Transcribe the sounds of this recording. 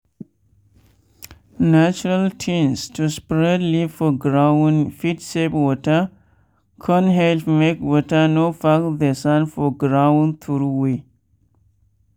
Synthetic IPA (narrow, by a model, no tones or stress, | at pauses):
nat͡ʃuɾaltʰĩnstʰuspɹɛdlifɔɡɹawnfitsepwɔtə | kʰɔ̃nɦɛlfmekwɔtənofakd̪esãnfɔɡɾawnt̪ʰuɾuwe